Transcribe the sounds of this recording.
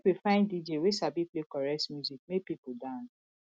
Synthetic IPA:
wifãɪ̃ndid͡ʒewesabiplekɔɹɛsmjuzik̚mepipudãns

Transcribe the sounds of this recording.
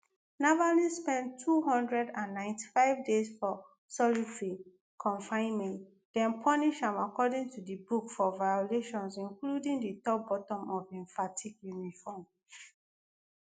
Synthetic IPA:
navanĩspɛ̃ntʰːuɦɔ̃ndɹɛdãnːãɪ̃nti̥faɪvdesfɔ | sɔlitɹi | kʰɔ̃ɱfãɪ̃nmɛ̃nt | d̥ɛ̃npʰɔniʃãmakɔdĩŋtudibukfɔvajɔleʃɔ̃nsĩŋkludĩŋditɔp̚bɔtɔ̃mɔvɛ̃ɱfatʰikjunifɔm

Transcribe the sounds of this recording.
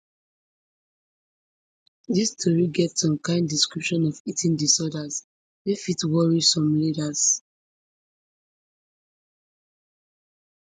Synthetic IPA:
distʰɔɹiɡɛtsɔ̃mkãɪ̃ndiskɹipʃɔ̃nɔvitĩŋdisɔdas | defitwɔɹisɔ̃mlidas

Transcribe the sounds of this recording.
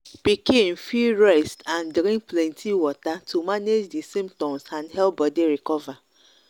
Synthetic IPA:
pikin̩fiɾɛstãndɾĩŋplɛ̃ntʰiwɔtatʰumaned͡ʒdisĩmptɔ̃msãnɦɛlbɔdiɾikɔva

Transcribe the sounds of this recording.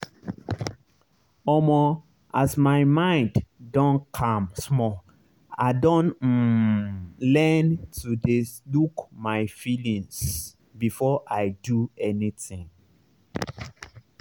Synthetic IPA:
ɔmɔ | ʔasmaɪmãɪ̃nddɔ̃nkʰãmsmɔ | a̰ɪdõn | lɛntudelukmaɪfilĩŋs | bifɔʔaɪduɛnitĩŋ

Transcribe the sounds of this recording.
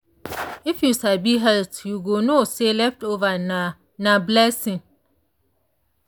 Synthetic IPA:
ɪfjusabiɦɛltjuɡonoselɛftovana | nãblɛsɪ̃ŋ

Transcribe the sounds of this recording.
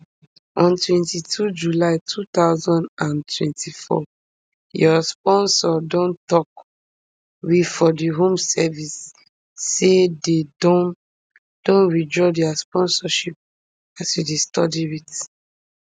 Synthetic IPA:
ɔ̃ntwɛ̃ntitʰud͡ʒulaɪtʰut̪aʊzɔ̃ndãntʰwɛ̰̃ntʰifɔ̰ | jɔspɔ̃nsɔdɔ̃ntɔk̚ | wifɔdiɦõmsɛvisː | ededɔ̃n | d̥ɔ̃nɹid͡ʒɹɔdɛaspɔ̃nsɔʃip̚ | asjudestɔdiit

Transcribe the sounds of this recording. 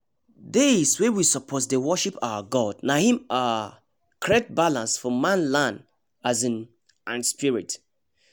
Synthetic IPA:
deswewisəpʰɔtdewɔʃipawəɡɔdnahĩma | kʰɹɛt̚balãnsfɔmãnlãnd | azĩn | ãnspiɹit

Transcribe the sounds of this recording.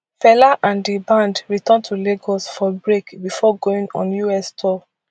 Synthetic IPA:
fɛlaʔãndibãndɹitɔ̃ntʰuleɡɔsfɔbɹekbifɔɡoĩŋɔ̰̃njuɛstʰɔ

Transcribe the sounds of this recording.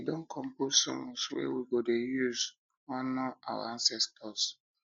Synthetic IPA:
widɔ̃nkʰɔ̃mposɔ̰̃mswḛwiɡodejuz | ɔ̃nɔa̰wa̰ãnsɛstʰɔs

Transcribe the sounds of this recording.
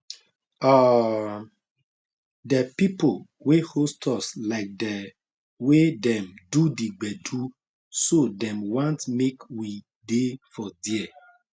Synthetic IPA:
a | dɛpipo | wehostʰɔslaɪk̚dɛ | wedɛ̃mdudiɡ͡bɛdu | sodɛ̃mwãntmekwi | defɔdiɛ

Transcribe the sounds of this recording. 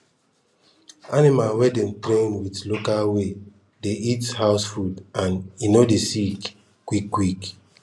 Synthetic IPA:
animalwɛdɛ̃mtɾẽnwitlokalwe | deithaʊsfudãninodesik | kwikːwik

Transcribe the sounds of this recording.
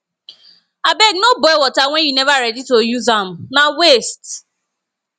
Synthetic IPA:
abɛɡnobɔɪwɔtawɛ̃njunevaɾɛditojuzam̩nawest

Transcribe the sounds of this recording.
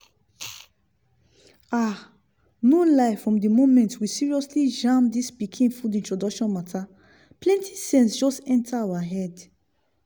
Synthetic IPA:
a | nolaɪfɹɔ̃mdimomɛ̃ntwisiɹiɔslid͡ʒãmdispikʰĩnfudĩntɹɔdɔkʃɔ̃nmatʰa | plɛ̃ntʰi̥sɛ̃nsd͡ʒɔstɛ̃ntʰaawaɦɛd

